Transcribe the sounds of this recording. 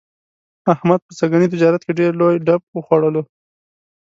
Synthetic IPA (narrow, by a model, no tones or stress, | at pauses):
ahmad̪̚pəsaɡanit̪̬ɪd͡ʒɑɾat̪̚keɖeɾlojɖab̚wəxwaɽəlo